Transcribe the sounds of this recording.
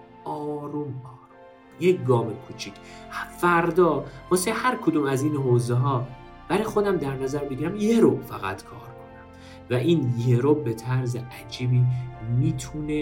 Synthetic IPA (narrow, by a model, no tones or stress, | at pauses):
ʔɒːɾumɒːɾumm | jeɡɒːmekʰut͡ʃʰicʰfæɾd̪ɒːmɒsehæɾkʰod̪uːmæziːnɦoːzeɦɒː | b̥æɾɒjxo̞d̪æmd̪æɾnæzæɾbeɡiɾæmjeɾofæɣæ̰t̪kʰɒːɾkʰo̞næm | væʔiːnjeɾobet̪ʰæɾzeʔæd͡ʒiːbiːmiːt̪ʰuːne